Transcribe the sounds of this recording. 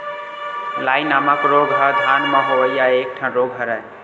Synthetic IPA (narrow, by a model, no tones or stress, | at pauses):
lajnamakɾoɡɦʌd̪ʱanməɦoʋəjaek̚ʈʰãɾoɡɦʌɾɛj